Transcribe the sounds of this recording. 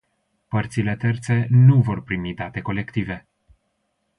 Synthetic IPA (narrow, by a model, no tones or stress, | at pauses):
pərt̪sile̞t̪e̞rt̪se̞nuvo̞rpɾimid̪at̪e̞ko̞le̞kt̪ive̞